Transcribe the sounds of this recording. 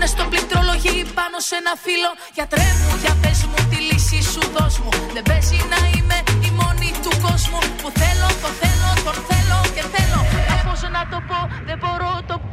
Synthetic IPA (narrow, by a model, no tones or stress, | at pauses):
nest̪oblit̪ɾo̞lo̞ʝipɐno̞se̞nɐfilo̞ | ʝɐt̪ɾe̞vuʝɐpe̞zmut̪ilisisuðo̞zmuðe̞be̞zinɐime̞imo̞nit̪uko̞zmupuθe̞lo̞t̪o̞nθe̞lo̞t̪o̞nθe̞lo̞ce̞θe̞lo̞ɐxosonɐt̪o̞po̞ðe̞bo̞ɾo̞t̪o̞